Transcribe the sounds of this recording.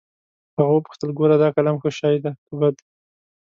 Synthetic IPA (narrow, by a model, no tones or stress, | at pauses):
haɣawəpu̥xt̪əlɡoɾad̪ɑkalamxəʃɑjd̪akəbad̪